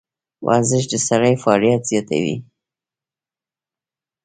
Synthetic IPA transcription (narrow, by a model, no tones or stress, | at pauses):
wʔa̰ɾzɪʃ̬d̪əsaɾajfɑːlijat̪z̥jɑt̪a̰wḭ